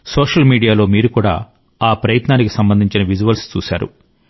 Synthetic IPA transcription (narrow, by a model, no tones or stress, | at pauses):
soːʂɐlmiːɽijaːlo̞ːmiːɾukuːɽa̰ː | aːpɾɐjɐt̪naːnikisɐmbɐnd̪ʱiɲt͡ʃinɐʋid͡ʒuʋɐlst͡ʃṵːsa̰ːɾṵ